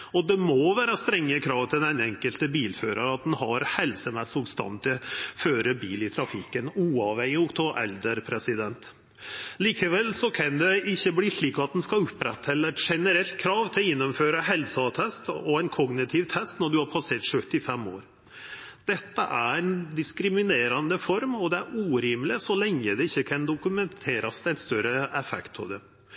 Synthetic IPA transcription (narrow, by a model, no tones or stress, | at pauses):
ɔd̪ɛmɔʋæːɾəst̪ɾɛŋːəkʰɾɑːʋt̪ʰɪlɛnɛŋkəlt̪əbiːlføːɾəɾəɑt̪̚d̪ɛnhɑɾhɛlsəmɛsʊbst̪ɑ̰nt̪ɪføːɾəbiːlɪt̪ʰɾɑfɪkːənuːɑʋɛŋəʊkt̪ʰɔʔɛ̰ld̪əɾpʰɾɛsɪd̪ɛnt̪ | liːkəʋɛlsɔkʰɑnd̪ɛɪçːəbliːʂɭiːkɑt̪̚d̪ɛnskɑʉpːɾɛ̰t̪ːɛlːəʂɛnəɾɛlt̪̚kʰɾɑːʋt̪ʰɪlɪnːɔmføːɾəɦɛlsɑt̪ʰɛst̪ɔæɪnkʰɔɡnɪt̪ʰɪʋt̪ʰɛst̪nɔɖʉhɑɾpʰɑseːʈʂœt̪ːɪfɛmːo̰ːɾ | d̪̥ɛt̪ːə̰ʔæɾɛnd̪ɪskɾɪmɪneːɾɑnd̪əfɔɾmɔd̪ɛæɾuːɾiːmlɪsɔlɛŋːəd̪ɛɪçːəkʰɑnd̪ʊkʉmɛnt̪ʰeːɾɑsd̪ɛɪt̪st̪œɾəɛfɛ̰kt̪̚pʰɔ̰d̪ɛ